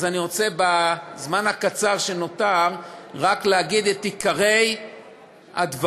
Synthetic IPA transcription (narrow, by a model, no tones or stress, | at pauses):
zaniʁo̞t͡se̞bazmanhakat͡saʁʃe̞no̞taʁʁakleaɡid̪et̪ikaʁe̞j | ha̰dv